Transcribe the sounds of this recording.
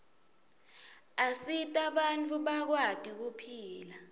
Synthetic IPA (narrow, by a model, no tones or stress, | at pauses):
asitʼaɓant͡fʰʼuɓak̬wad̥ʱʼik̬upʰiːla